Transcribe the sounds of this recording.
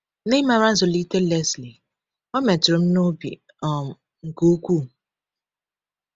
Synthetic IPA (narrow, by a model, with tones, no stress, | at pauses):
ne˦ma˨ɾa˦zo˨li˦te˦lɛ˦sli˨ | ɔ˦me˨tɾo˨m̩˦no˦bḭ˨ | ɔ˨m˨ | ŋ̩˨ko˦kʷu˦˨